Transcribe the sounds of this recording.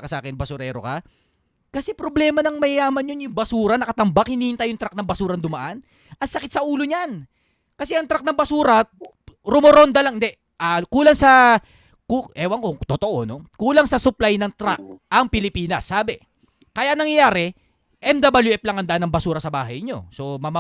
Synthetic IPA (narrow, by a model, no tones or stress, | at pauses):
kɐsɐʔaːkɪnbɐsʊɾɛ̰ːɾo̰kɐ | kɐsɛpɾoblɛːmɐnɐŋmɐjjaːmɐnjonjʊŋbɐsuːɾɐnɐkɐt̪ɐmbakhɪniːhɪnt̪ɐjʊŋt̪ɾak̚nɐŋbɐsuːɾɐnd̪ʊmɐʔan | ʔɐt̪sɐkɪt̪̚sɐʔuːloɲan | kɐsɛʔɐŋt̪ɾak̚nɐŋbɐsuːɾɐ | ɾʊmoɾond̪ɐlɐŋʔɪnd̪ɛ | ʔakuːlɐŋsɐ | kuʔɛːwɐŋkot̪ot̪oʔo̞̰no̞kuːlɐŋsɐsʊplajnɐŋt̪ɾa̰k̚ʔɐŋpɪlɪpiːnɐsːaːbɛ | kɐjanɐŋjɐjaːɾɛ | ʔɛmd̪abɐljuʔɛp̚lɐŋhɐnd̪aʔnɐŋbɐsuːɾɐsɐba̰ːɦɐjɲo̞̰so̞mɐma